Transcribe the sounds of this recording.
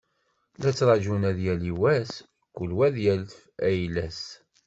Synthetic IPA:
læt͡sːɾˤɑʒunæðjæliwæs | kːulwæðjælfæjlæs

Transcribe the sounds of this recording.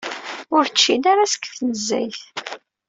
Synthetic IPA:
ʊɾt͡ʃːinaɾasə̥kːθnəzːæ̰jθ

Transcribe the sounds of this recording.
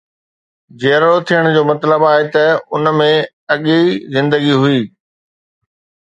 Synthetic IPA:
d͡ʑeːɾɽot̪ʰijəɽ̃d͡ʑoːmɐt̪ləbaːɦet̪ɐʊnmẽ | ɐɠizɪ̃nd̪əɡiɦʊiː

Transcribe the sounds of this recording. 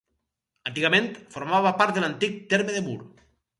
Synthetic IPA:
ant̪iɣamẽnt̪foɾmaβapaɾt̪̚ðelant̪ik̚t̪eɾmeðemṵɾ

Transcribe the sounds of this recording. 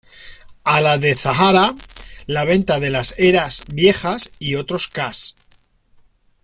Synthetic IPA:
alaðe̞θaɦaɾalaβ̞e̞nt̪aðe̞lase̞ɾazbje̞xasio̞t̪ɾo̞skas

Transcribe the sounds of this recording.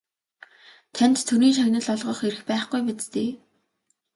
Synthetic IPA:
t̪ʰænt̪t̪ʰːuɾiːnʃ̬aɣnə̆ɮɔɮʁɞ̆χeɾɘ̆xpæːχɡujmet͡st̪eː

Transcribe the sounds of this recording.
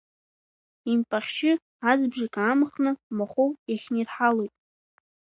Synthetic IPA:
impʼaχʲʃɪ | ad͡zbʒakʼaːmχnɨmaχowjaχʲnirħalojtʼ

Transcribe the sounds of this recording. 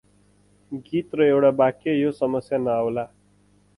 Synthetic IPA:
ɡit̪rʌewɽabakejosʌmʌsjanʌawla

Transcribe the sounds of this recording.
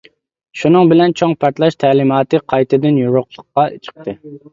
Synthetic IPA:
ʃunɨŋbɪlɛnt͡ʃʰoŋpʰɑɾt̪lˠɑʃt̪ʰɛːlɪmɑːt̪ɨqʰɑjt̪ʰɨd̪ɨnjuɾʊqlˠəqːɑt͡ʃʰə̥q̚t̪ʰɨ

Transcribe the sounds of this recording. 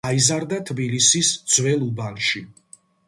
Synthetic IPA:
aizaɾd̪at̪ʰbilisisd̪z̥wɛlˠubanʃi

